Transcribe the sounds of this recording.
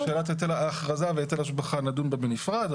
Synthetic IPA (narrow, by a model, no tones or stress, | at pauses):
ʃeːlat̪et̬elaaːχʁazaveetelaʃbaχanadunbemenifʁad